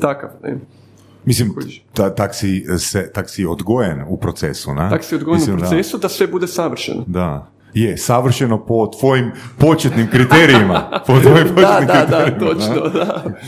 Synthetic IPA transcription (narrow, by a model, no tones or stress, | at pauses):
t̪akafnḛ | mislimt̪at̪aksiset̪aksiod̪ɡojenupɾot̪sḛsunḛaksiod̪ɡojenuiɾod̪asesud̪asʋebud̪esaʋr̩ʃḛnod̪a | jesaʋr̩ʃenopo̞t̪ʋo̞jimpo̞t͡ʃet̪nimkɾit̪eɾiimapot̪ojimpot͡ʃeat̪imd̪kɾt̪aeɾiiot͡ʃnod̪a